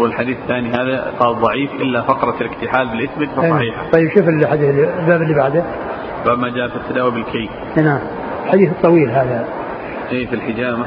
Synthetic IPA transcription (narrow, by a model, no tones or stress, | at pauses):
wɪlħad̪iːθθaːnihaːðaqɑːlðˤɑʕiːfʔɪlːafɑqɾˤɑlɪkt̪ɪħaːlbɪlʔɪsmɪd̪fɑsˤɑiːħat̪ˤɑjːɪbʃuːfɪlħad̪iːθɪlːilbaːbɪlːibaʕd̪a | baːbmad͡ʒaːʔfit̪ːad̪aːwibɪlkʰej | naʕm | ɪlħad̪iːθɨt̪ˤːɑwiːlɦaːða | ʔeːfilħɪd͡ʒaːʔma